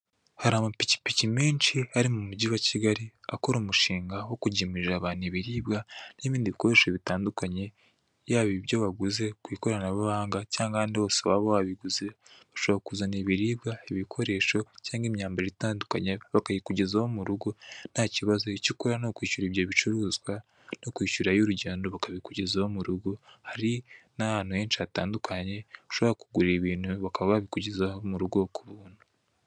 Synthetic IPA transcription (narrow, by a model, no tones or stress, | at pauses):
haɾaːmapici̥picimiːnt͡ʃiaɾimumuɟiwaciɡaɾiako̞ɾuːmuʃiːŋɡawo̞kuɟimiʒaβaːniβiɾiːbɡaniβiːndiβiko̞ɾe̞ːʃeβitaːndukaɲe̞ | jaβiβjo̞βaɡuze̞kwiːko̞ɾanaβaβaːŋɡacaːŋɡaaːndiβasoβaβoβaβiɡuzeβaʃoβaakuzaniβiɾiːbɡaiβikʰo̞ɾe̞ːʃo̞caːŋɡimɲaːmbaɾeitaːndukaɲeβakaβikuɟezahomuɾuɡo̞n̥haciβazo̞icikuɾanokwiːʃuɾiβjo̞βit͡ʃuɾuːzɡwa | nokwiːʃuɾajoɾuɟe̞ːndo̞βakaβikuɟe̞zahomuɾuɡo̞haɾinahaːn̥huhe̞ːnt͡ʃataːndukʰaɲe̞uʃo̞βoɾakuɡuɾiβiːnhuβakaβaβaβikuɟezahomuɾuɡo̞kuβuːn̥hu